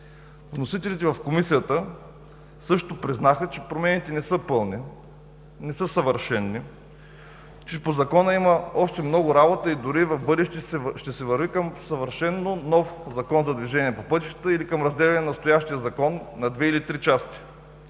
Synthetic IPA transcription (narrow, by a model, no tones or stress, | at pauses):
vnosit̪ɛlit̪ɛvɐfkomisijət̪ə | sɤʃt̪opɾiznaxət͡ʃɛ̥pɾomɛnit̪ɛnɛsɤpɤlˠni | nɛsɤsɐvəɾʃɛnːi | t͡ʃɛpozɐkɔnəiməɔʃt̪ɛmnɔɡʊɾabot̪əid̪ʊɾivɐfbɤd̪ɛʃt̪ɛʃt̪ɛsɛvəɾvikəmsəvəɾʃɛnːonɔfzɐkɔnzɐd̪viʒɛnʲiɛpopɤt̪i̥ʃt̪ə̥t̪əilikəmɾɐzd̪ɛlʲɛnɛnɐst̪ojaʃt̪ijəzɐkɔnːɐd̪vɛilit̪ɾit͡ʃast̪i̥